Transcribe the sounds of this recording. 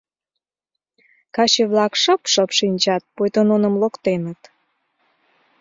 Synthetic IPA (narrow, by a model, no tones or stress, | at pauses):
kɑt͡ɕeβlɑkʃəpʃəpʃinʲt͡ɕɑt̪̚pojt̪ononə̆mlokt̪enət̪